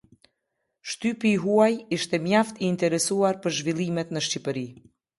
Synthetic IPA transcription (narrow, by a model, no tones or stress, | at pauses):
ʃt̪ypiːɦuajiʃt̪ɛmjaft̪iːnt̪ɛɾɛsuaɾpəɾʒvilˠimɛt̪nəʃcipəɾi